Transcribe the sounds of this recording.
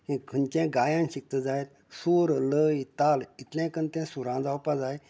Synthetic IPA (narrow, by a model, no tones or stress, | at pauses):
ĩkʰənt͡ɕẽɡaːjãnɕik̚t̪əd͡zajt̪ | suːɾləjt̪alit̪lɛ̃kənt̪ɛ̃suɾãd͡zawpad͡zaj